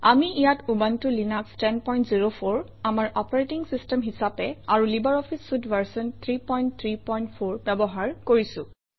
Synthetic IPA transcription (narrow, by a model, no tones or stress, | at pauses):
amiijatʰubantʊlinakstɛnpɔj̃ntziɹopʰoɹ | amaɹʔɔpɔɹetiŋsistɛmɦisapɛaɹulibaɹɔpʰisːudvaɹsɔnt̪ʰɹipɔjntt̪ʰɹipɔjntpʰoɹbɛbɔɦaɹkoɹisʊ̰̃